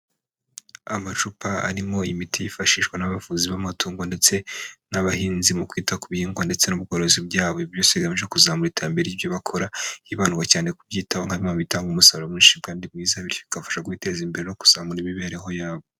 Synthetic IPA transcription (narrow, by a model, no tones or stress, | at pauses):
amat͡ʃupaa̰ɾimo̞imitʰijifaʃiːʃkwanaβafuːziβamatuːŋɡonde̞t͡se̞naβahiːnzimukwiːtakuβihiːŋɡwande̞t͡se̞nub̚ɡoːɾozibɟaːβo̞iβjo̞ːseβiɡamiʒekuzaːmuɾiteɾambe̞ɾeivjoβakʰo̞ɾaiβanuɡwacaːne̞kubɟiːtaβoŋhaimaβitaːŋɡumusalomuniʃibɡaːndib̚ɡiːzaβiɾjoβikafḁʃakuite̞ːzimbe̞ɾe̞no̞ku̥z̥aːmuɾiβiβiaɾiɦo̞jaːβo̞